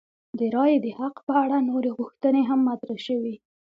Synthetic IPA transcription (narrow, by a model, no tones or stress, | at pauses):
d̪əɾɑjd̪əhaqpəaɽanoɾeɣuxt̪əneɦamːat̪ɾaʃəwi